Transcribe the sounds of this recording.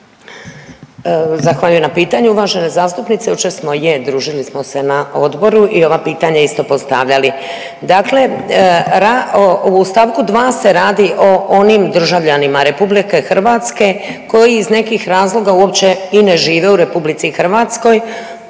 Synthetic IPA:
zaxʋaʎujenapiːt̪aɲuuʋaʒe̞ne̞zaːst̪upnit̪seut͡ʃesmo̞jed̪ɾuːʒilismo̞se̞naʔo̞d̪bo̞ɾuʔio̞ʋapiːt̪aɲaist̪o̞po̞st̪a̰ʋʎali | d̪akle̞ | ɾaust̪aʋkud̪ʋaːse̞ɾaːd̪iʔo̞ʔonimd̪r̩ʒaʋʎanimaɾe̞publike̞xr̩ʋat̪ske̞ko̞jiːzne̞kixɾaːzlˠo̞ɡauo̞pt͡ɕe̞ine̞ʒiːʋe̞uɾe̞publit̪sixr̩ʋat̪sko̞j

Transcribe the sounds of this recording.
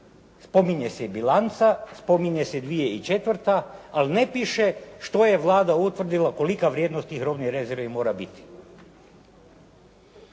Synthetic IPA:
spo̞miɲe̞sebilˠant̪saspo̞miɲesed̪ʋijeit͡ʃe̞t̪ʋr̩t̪aːline̞piʃe̞ʃt̪o̞je̞ʋlˠaːd̪aut̪ʋr̩d̪ilˠako̞likaʋɾʲjeːd̪nost̪iɦɾobniɾe̞ze̞ɾʋimo̞ːɾabit̪i̥

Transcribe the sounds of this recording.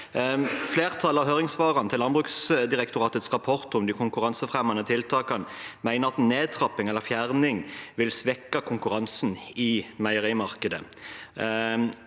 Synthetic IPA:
fleːʁt̪ʰɑləɑʁɦøːʁɪŋsʋɑːʁɑnt̪ʰɪlːɑnbʁʉksd̪ɪʁɛk̚t̪ʊʁɑːt̪ət̪sʁɑpʰɔʁt̪ɔmd̪ɪkʰʊŋkʉʁɑnsəfʁɛmːɑnət̪ʰɪlt̪ʰɑːkɑnmæɪnəʁɑt̪neːd̪̚t̪ʰʁɑpːɪŋɛlːəfjæʁnɪŋʋɪlsʋɛkːɑkʰʊŋkʉʁɑnsn̩ɪmæɪəʁiːmɑʁkəd̪ə̰

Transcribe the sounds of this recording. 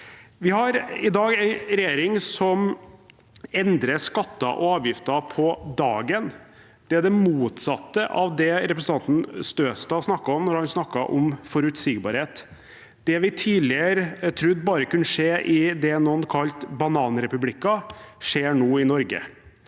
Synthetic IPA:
ʋɪhɑɾɪd̪ɑːɡæɪɾɛjeːɾɪŋsɔm | ɛnd̪ɾəʂkɑt̪ːɑ̰ʔɔɑːʋjɪft̪ɑpʰɔd̪ɑːɡən | d̪̥ɛæɖɛmuːt̪sɑt̪ːəʔɑ̰ʋd̪ɛɾɛpɾsn̩t̪ɑnt̪n̩st̪øːst̪ɑːsnɑkːɑɔmnɔɾhɑnsnɑkːɑʔɔmfɔɾʉt̪sɪɡbɑ̰ɾheːt̪ | d̪̥ɛʋɪt̪ʰiːlɪəɾət̪ʰɾʉbɑːɾəkʉnːəʂeːʔɪd̪ɛnɔnkʰɑlt̪bɑnɑːnɾɛpʉblɪkːɑʂeːɳoːɪnɔɾɡə̰

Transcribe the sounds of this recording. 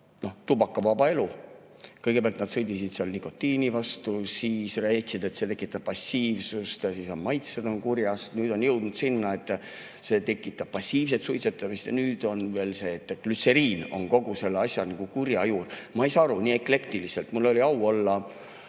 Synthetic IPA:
no̞ht̪ubɑkːɑvɑbɑe̞lu | kɤjɡ̥e̞peæɑlt̪nd̪̥sɤjd̪isid̪̥seɑlniko̞t̪ːiːnivɑst̪usiːsræjt̪sid̪̥e̞t̪se̞t̪e̞kːˑit̪ːˑɑb̥̚pːɑsiːvsust̪jɑsisɑmmɑjt̪sed̪o̞nkurjɑsnyːd̪̥o̞njɤwd̪̥nud̪̥sinːɑe̞t̪ːˑ | se̞ːt̪e̞kːˑit̪ːˑɑb̥̚pɑsʲːiːvs̬et̪sujt̪set̪ːˑɑmist̪jɑ̰nyːd̪̥o̞nve̞ːlse̞t̪ːˑelyt̪se̞ɾiːno̞̰nko̞ɡ̥use̞lːeɑsʲjɑnɑɡ̥ukurjɑjuːrmɑe̞jsɑːɑɾuniːe̞kle̞kt̪ilise̞lt̪mulːo̞lʲiɑwo̞lːɑ

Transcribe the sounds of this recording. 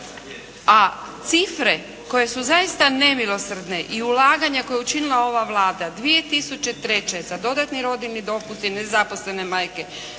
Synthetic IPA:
a | t̪sifɾe̞ | ko̞je̞suzaist̪ane̞milo̞sr̩d̪ne̞ʔiulaːɡaɲako̞jeut͡ʃinilˠao̞ʋaʋlaːd̪ad̪ʋie̞t̪isut͡ʃe̞t̪ɾe̞t͡ʃezad̪o̞d̪at̪niɾo̞d̪ilnid̪o̞pust̪inezaposle̞ne̞majke̞

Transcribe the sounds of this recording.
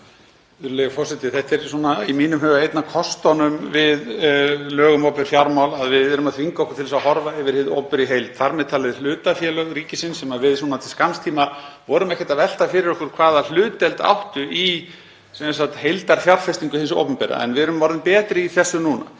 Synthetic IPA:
ʏɾʏlɛafɔsɪt̪ɪθɛht̪ɛɾsuːnaimiːnʏmɦœːvaejt̪nakʰɔst̪ɔnʏmvɪðlœːɣʏmowpʏɾ̥fjaɾmawlaðvɪðɛɾʏmaðθʰviŋkaɔhkʏ̥t̪ʰɪlasahɔɾvaɛvɪɾhɪðo̰wpʏɾiɦejlt̪θaɾmɛðt̪ʰaːlɪðɪl̥ʏːt̪afjɛlœɣɾiːcɪsɪnsɛmavɪðsuːnat̪ʰɪlskanst̪ʰiːmavɔːɾʏmɛhcɛ̥t̪avɛl̥t̪afɪɾɪɾɔhkʏɾ̥kʰv̥aːðal̥ʏːt̪ɛlt̪a̰wht̪ʏʔi | sɛnsat̪hejlt̪aɾ̥fjawɾ̥fɛst̪iŋkʏhɪnso̰wpʏmpɛːɾa̰ɛ̰nvɪðɛɾʏmvɔɾðɪmpɛːt̪ɾɪiθɛsːʏnuːna̰

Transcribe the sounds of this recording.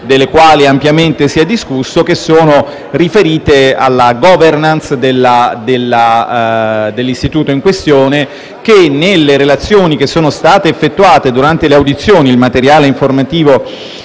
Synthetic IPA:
d̪elːekwaːliampjament̪esiɛd̪ːiskusːokesːoːno | rifeɾiːt̪ea̰lːaɡɔvernansd̪elːad̪elːa | d̪elːist̪it̪uːt̪oiŋkwest̪joːne | k̟enːelːeɾelat̪sːjoːnik̟esːoːnost̪aːt̪eːfːet̪ːuaːt̪ed̪uɾant̪eleawd̪it̪sːjoːnilmat̪eɾjaːleiɱformat̪iːvo

